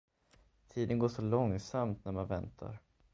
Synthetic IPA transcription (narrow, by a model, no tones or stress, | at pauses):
t̪ʰiːd̪ənɡoːʂɔlɔŋsamt̪næɾmanvɛnt̪ʰa̰ɾ